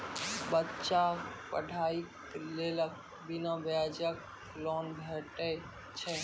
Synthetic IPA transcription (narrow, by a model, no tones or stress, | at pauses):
bətːt͡ʃapə̰ɖʱaik | lelək̚ | binãbjad͡ʒək̚ | lɔːnbʱɛʈe | t͡ʃʰɛ